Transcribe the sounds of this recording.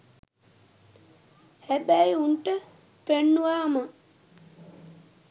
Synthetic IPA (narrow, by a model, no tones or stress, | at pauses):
hæbæjuɳʈə | penːuʋaːma